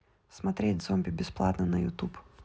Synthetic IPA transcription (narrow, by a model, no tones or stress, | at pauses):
smɐt̪ʲɾʲetʲd̪zɔmʲbʲɪbʲɪsplˠɑ̰t̪nɐnɐjʊ̰t̪up